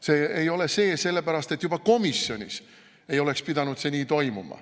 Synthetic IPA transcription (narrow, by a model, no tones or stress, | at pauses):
se̞ːejo̞le̞se̞ːse̞lːe̞pæɾɑst̪e̞t̪ːˑjub̥ɑko̞misːjo̞nʲḭs | e̞jo̞le̞kspid̪ɑnut̪se̞niːt̪o̞jmumɑ̰